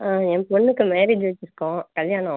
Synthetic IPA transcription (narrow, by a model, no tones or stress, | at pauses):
aːɛ̃ːpɔɳːɯkːɯmeːɾeːd͡ʒʋɐt͡ʃːɪɾɯkːõkɐljaːɳõ